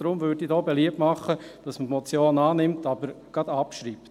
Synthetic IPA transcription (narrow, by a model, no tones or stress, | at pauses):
ɾʊmʋøɾdidoːbeliəp̚tmɑχəd̥ɑsməmɔt͡sjoːnɑːnɪmt̪ɑbəɾɡ̥ɑd̥ɑpʃɾiːpt